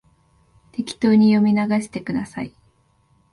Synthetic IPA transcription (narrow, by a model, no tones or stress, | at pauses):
t̪e̞kʲi̥t̪o̞ːɲ̟ijo̞mʲinaɡaɕi̥t̪e̞kɯ̟d̪asa̰i